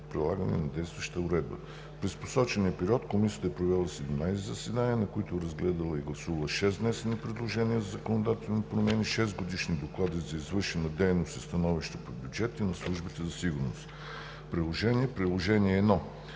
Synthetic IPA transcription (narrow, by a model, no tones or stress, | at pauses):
t̪̚pɾilˠaɡənɛ̰nɐd̪ɛjst̪vəʃt̪əʊɾɛd̪̚bə̰ | pɾɛspo̥sɔt͡ʃɛniəpɛɾiɔt̪komisijət̪əpɾovɛlˠəsɛd̪ɛmnajsɛzɐsɛd̪aniənɐkoit̪ʊɾɐzɡlɛd̪əlˠəiɡlˠɐsuvɐlˠəʃɛznɛsɛnipɾɛd̪lˠoʒɛnʲiəzzɐkonod̪at̪ɛlˠnipɾomɛniʃɛzɡod̪iʃnid̪oklˠad̪izɐizvɤɾʃɛnɐd̪ɛjnost̪ist̪ɐnɔviʃt̪əpobʲjud͡ʒɛt̪inɐslˠuʒbit̪ɛzɐsiɡʊɾnost̪ | pɾilˠoʒɛniɛpɾilˠoʒɛniɛːd̪nɔ